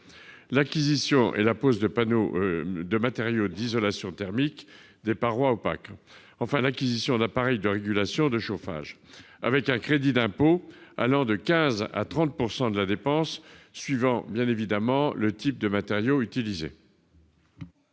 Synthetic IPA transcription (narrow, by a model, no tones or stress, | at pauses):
lakʲizisjɔ̃ʔḛlapozd̪əpanod̪əmat̪eʁjod̪izɔlasjɔ̃t̪ɛʁmik | d̪epaʁwaopa̰k | ɑ̃fɛ̃lakʲizisjɔ̃d̪apaʁɛjd̪əʁeɡʲylasjɔ̃d̪əʃofa̰ʒ | a̰vɛkɛ̃kχed̪id̪ɛ̃poa̰lɑ̃d̪əkʲɛ̃za̰t̪χɑ̃t̪̚puʁsɑ̃d̪əlad̪epɑ̃sːɥivɑ̃bjɛ̃nevid̪amɑ̃lət̪ip̚d̪əmat̪eʁjoyt̪ilizḛ